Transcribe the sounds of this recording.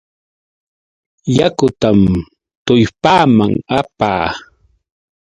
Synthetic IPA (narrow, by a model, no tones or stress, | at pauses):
jakʊt̪am | t̪ʊjpaːmaŋapa̰ː